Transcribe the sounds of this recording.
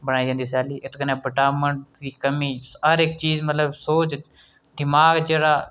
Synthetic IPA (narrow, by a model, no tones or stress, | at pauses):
bəɽaːiːd͡ʒãːnd̪iːs̬ɛːliːʔɪt̪ʰkənẽːbəʈaːməɳʈd̪iːkəmiːəɾɪkt͡ʃiːzmət̪ləbsoːt͡ʃ | d̪ɪmaːɡd͡ʒeːɽaː